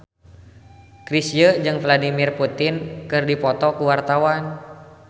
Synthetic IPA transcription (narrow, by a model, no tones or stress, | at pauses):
kɾisjəd͡ʒɨŋvladimirput̪ɪnkɨrdipɔt̪ɔkuwart̪awan